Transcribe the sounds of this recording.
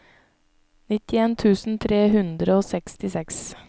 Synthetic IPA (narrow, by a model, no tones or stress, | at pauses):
nɪt̪ɪeːnt̪ʰʉːsn̩t̪ʰɾeːhʉnd̪ɾəoːsɛkst̪ɪsɛks